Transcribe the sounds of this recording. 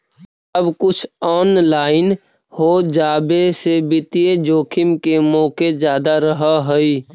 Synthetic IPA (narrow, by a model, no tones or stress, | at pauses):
əbkʊt͡ʃʰɔːnlaːɪn | hoːd͡ʒaːbesebɪt̪ijed͡ʒoːkʰɪmkemɔːked͡ʒjaːd̪aɾəɦaɦəi